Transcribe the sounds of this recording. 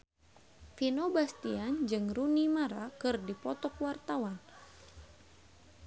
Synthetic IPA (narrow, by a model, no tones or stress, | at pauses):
finobast̪iand͡ʒɨŋrunimaɾakɨrdipɔt̪ɔkwart̪awan